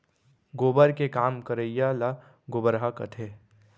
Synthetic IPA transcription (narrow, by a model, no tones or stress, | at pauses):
ɡoːbəɾkekaːmkəɾəjala | ɡʊbəɾɦakə̰t̪ʰeː